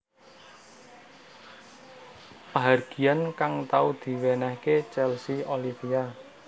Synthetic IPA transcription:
paɦarɡ̥iankaŋt̪aud̪̥i̤wenɛhket͡ʃɛlsiolifia

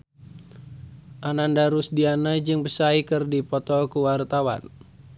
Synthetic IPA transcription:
ʔanandaɾusdianad͡ʒɨŋbəsaikɨrdipɔt̪ɔkuwart̪awa̰n

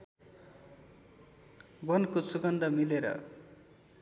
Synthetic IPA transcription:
bʌnkosuɡʌnd̪ʌmileɾʌ̰

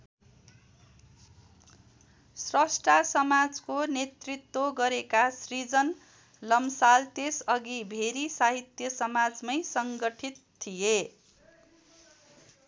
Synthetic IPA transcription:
srʌsʈasʌmad͡zkonet̪rit̪ːwoɡʌɾekasrid͡zʌn | lʌmsalt̪esʌɡibʱeɾisaɦit̪jʌsʌmad͡zmʌjsʌŋɡʌʈʰit̪t̪ʰːije

